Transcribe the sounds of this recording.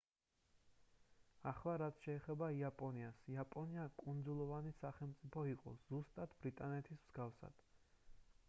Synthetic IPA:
aχlˠaɾat̪sʰʃɛːχɛbaiapʼɔniasiapʼɔniakʼund̪zulˠɔvanisaχɛlˠmt̪sʼipʰɔiqʼɔ̰z̥ust̪ʼat̪ʰbɾit̪ʼanɛt̪ʰismz̥ɡafsa̰d̪̥

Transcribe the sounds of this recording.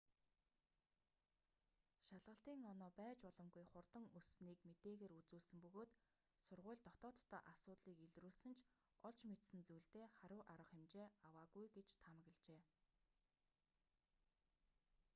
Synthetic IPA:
ʃaɮʁə̆ɬt̪iːŋɔnɔːpæːt͡ɕpɔɮɞ̆mɡujχʊrt̪ə̆ŋusniːkmet̪eːɣeːɾut͡suːɮsɘ̆mpɵɣoːt̪ | sʊrʁʊ̟ːɮt̪ɔt̪ɔːt̪ːɔ̰ːʔasʊːt̪ɮiːkeɮruːɮsɘ̆nt͡ɕʰ | ɔɮt͡ɕmet̪sɘ̆nt͡sujɮt̪eːχaɾʊːʔaɾə̆χemt͡ɕeːawaːɣujɡet͡ɕt̪ʰamə̆ɣə̆ɮt͡ɕeː

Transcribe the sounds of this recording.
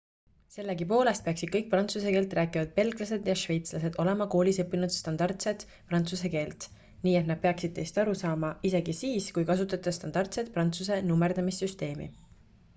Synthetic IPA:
se̞lːekipo̞ːle̞st̪̚pe̞ɑksid̪̥kɤjk̚prɑnt̪suse̞keːlt̪ˑræːkˑivɑd̪̥̚pe̞lɡ̥lɑse̞d̪̥jɑʃve̞jt̪slɑse̞d̪o̞le̞mɑko̞ːlisɤpːinud̪̥st̪ɑnd̪̥ɑrt̪se̞t̪ | prɑnt̪suse̞ke̞ːlt̪ | niːe̞t̪nɑd̥̪̚peɑksid̪̥̚t̪e̞jst̪ɑɾusɑːmɑʔise̞ɡ̥isiːskujkɑs̬ut̪ːˑɑt̪ːˑɑst̪ɑnɑrt̪se̞t̪̚prɑnt̪suse̞numːeɾd̪̥ɑmisːyst̪e̞ːmḭ

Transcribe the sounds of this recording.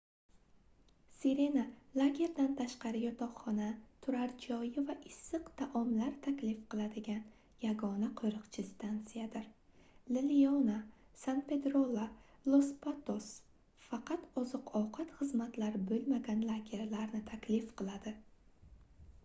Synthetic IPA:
seɾe̞nalˠaɡʲe̞ɾd̪ant̪ʰaʃqɑɾɪjɒt̪ʰɒwχɒnat̪ʰʊɾaɾd͡ʒɒjɪvaʔɪsːɨqt̪ʰaʔɒmlaɾt̪ʰakʲlifqʰɨlˠad̪ɪɡʲan | jaɡɒnaqʰojɾɨqt͡ʃʰɪst̪ʰant̪sijad̪ɪɾ | lɪliona | sanpe̞d̪ɾolˠːalˠospʰat̪os | fɑqʰɑt̪ɒzɨqɒwqʰɑt̪χɨzmat̪laɾbɵlmaɡʲanlˠaɡʲe̞ɾlaɾnɪt̪ʰakʲʰlɪfqʰɨlˠad̪ɪ

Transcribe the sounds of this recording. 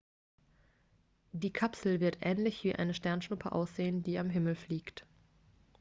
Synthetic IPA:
d̥iːkʰapsl̩vɪɐtʔɛːnlɪçv̥iːʔa̰ɪnəʃtɛɐnʃnʊpʰəʔa̰ʊsz̥eːəndiːamɦɪml̩fliːkt

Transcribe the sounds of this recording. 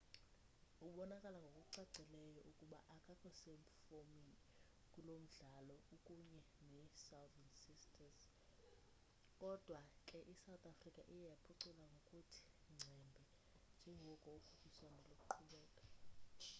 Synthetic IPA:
ukɓɔnakʼalaŋɡʱokʼuǀaɡ͡ǀʱɛlɛjɔʔukʼuɓa̰ʔakʼakʼɔseɱ̩fomin | kʼulom̩ɮalɔukʼuɲɛ | nɛsawdɛnsistʰʼas | kʼɔd̥ʱwakʼɛʔisawt̪ʰʼafrikʼa̰ʔijjapʰuǀulʼaŋɡʱokʼutʰi̥ | ŋ͡ǀʱɛmbʱɛ | nd͡ʒʱɛŋɡʱɔkʼɔukʰukʰiswanʱɔlokʼuǃʰuɓɛːkʼḁ

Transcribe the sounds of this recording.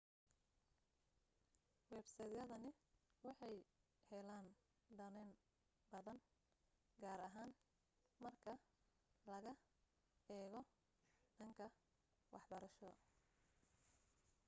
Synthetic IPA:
wɛbsɐjd̪ɐðɐnɪwɑħɑj | hɛlaːn | ɖɐnɛn | bɐðɐn | ɡaːɾɐɦaːn | mɐrkʰɐ | lɐɣɐ | ɛːɣɔ | ɖɐŋkʰɐ | wɑħbɐɾɐʃɔ

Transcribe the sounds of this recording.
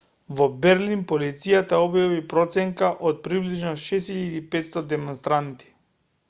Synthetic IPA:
vɔbɛɾlinpolit̪sijat̪aɔbjavipɾɔt̪sɛŋkaʔot̪̚pɾibliʒnɔʃɛshiʎad̪ipɛt̪st̪ɔd̪ɛmɔnst̪ɾant̪i̥

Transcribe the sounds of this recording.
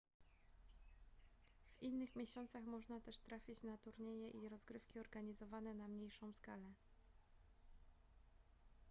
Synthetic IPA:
v̥inːɘxmʲeɕɔnt̪saxmɔʐnat̪ɛʂt̪ɾafʲit͡ɕnat̪uɾɲejɛʔiɾɔzɡɾɘfkʲiɔɾɡaɲizɔvanɛnamɲejʂɔ̃w̃skalɛ

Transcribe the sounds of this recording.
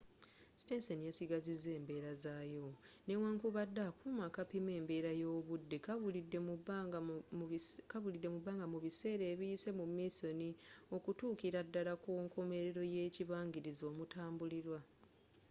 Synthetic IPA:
si̥teːnsenijasiɡazizːe̞ːmbe̞ːɾazaːjo̞ne̞waːŋkuβadːakumakapime̞ːmbe̞ːɾajo̞ːβudːekβlidːemu | kaβulidːe̞mubaːŋɡamuβise̞ːɾe̞ːβijise̞mumːiːso̞nio̞kutuːkiɾadːalakuːŋko̞me̞ɾe̞ɾo̞je̞ːciβaːŋɡiɾizo̞ːmutʰaːmbuliɾwa

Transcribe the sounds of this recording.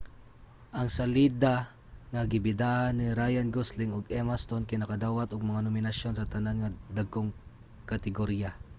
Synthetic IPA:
ʔɐŋsɐlid̪a | ŋɐɡɪbɪd̪aːhanːɪɾajanɡoslɪŋʊɡɛmast̪onkɪnɐkɐd̪aːwat̪ʊɡ̚mɐŋanomɪnɐsjonsɐt̪ɐnanŋɐd̪aɡoŋ | kɐt̪ɪɡoɾija

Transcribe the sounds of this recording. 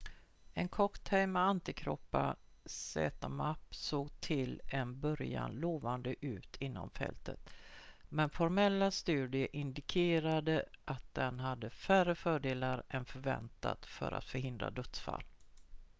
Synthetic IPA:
ɛnkʰɔkt̪ʰɛjmɛant̪ɪkʰɾɔpːasɛ̰ːt̪amapːsoːɡt̪ʰɪlɛnbœɾja̰nloːvand̪əʔʉ̟ːt̪ʰɪnːɔ̰mfɛ̰lt̪ʰə̰t̪mɛnfɔɾmɛlːast̪ʉ̟ːd̪ɪəʔɪnd̪ɪkʰeːɾad̪əʔat̪̚d̪ɛnɦad̪ːəfærəfœːɖeːlaɾɛnfœɾvɛ̰nt̪a̰t̪fœ̰ɾʔa̰t̪fœɾɦɪnd̪ɾa̰d̪ɵt̪sfa̰lː

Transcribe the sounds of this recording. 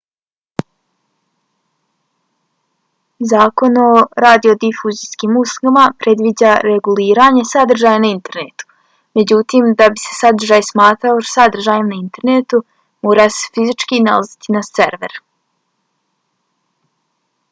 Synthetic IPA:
zaːko̞no̞ɾaːd̪io̞d̪ifuziskiːmuslˠoɡamapɾe̞d̪ʋid͡ʑaɾeɡuliːɾaɲe̞sad̪r̩ʒaːjanaint̪e̞ɾnet̪u̥ | me̞d͡ʑut̪iːmd̪abise̞̥sad̪r̩ʒaːjsmaːt̪ɾaosad̪r̩ʒaːjimnaint̪e̞ɾnet̪u | moːɾase̥fizit͡ʃkina̰lazit̪inaseɾʋe̞̰ɾ

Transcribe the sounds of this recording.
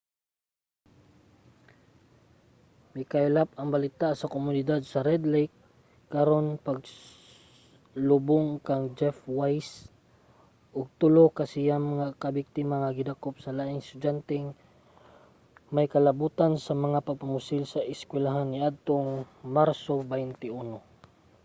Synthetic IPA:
mɪkaɪlap̚ɐŋbɐlɪt̪asɐkʊmʊnɪd̪ad̪̚sɐɾɛd̪lɛjkː | aɾo̞npaɡ | lʊbʊŋkaŋd͡ʒɛfwajs | ʔʊɡ̚t̪ʊlokasɪjamŋakɐbɪk̚t̪ɪmaŋaɡɪd̪akop̚sɐlaʔɪŋst̪ʊd͡ʒant̪ɛŋ | majkɐlɐbuːt̪ansɐmɐŋapɐɡ̚pamʊsɪlsɐʔɪskwɛlaɦanːɪʔad̪̚t̪oŋ | maɾsobahɪnt̪ɪuno

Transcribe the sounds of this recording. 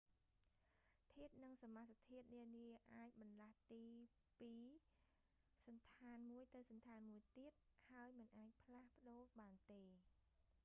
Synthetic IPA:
t̪ʰiət̪̚nɨŋsamat̪̚st̪ʰiət̪̚niəniəʔaːc̚ɓɑnlaht̪iː | piː | sɑnt̪ʰaːnmuəjt̪ɨwsɑnt̪ʰaːnmuəjt̪iət̪̚haəjmɨnʔaːc̚pʰlahpə̆ɗoːɓaːnt̪eː

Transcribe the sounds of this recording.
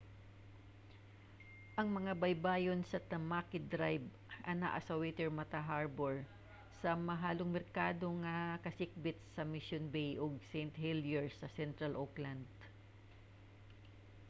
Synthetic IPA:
ʔɐŋmɐŋabɐjbaːjonsɐt̪ɐmakɪd̪ɾajb | ʔɐna̰ʔasɐwɛt̪ɛɹmɐt̪aɦaɹboɹ | sɐmɐɦaːloŋmɛɾkaːd̪o̞ŋɐkɐsɪk̚bɪt̪̚sɐmɪʃonbejʔoɡ̚sɛjnt̪hiljɛɹsɐsɛnt̪ɾɐlʔokland̪̚

